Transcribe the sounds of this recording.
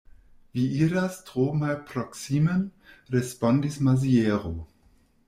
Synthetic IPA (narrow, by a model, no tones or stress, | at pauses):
viiːɾastʁoːmalpɾɔksimənɾespɔndismazieːʁo